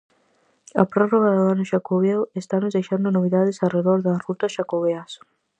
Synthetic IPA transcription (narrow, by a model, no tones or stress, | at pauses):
a̰pɾoroɣaðoanʊʃakoβewest̪anozd̪ejʃand̪ʊnoβiðaðɪsareðoɾðɐsrut̪ɐsʃakoβeas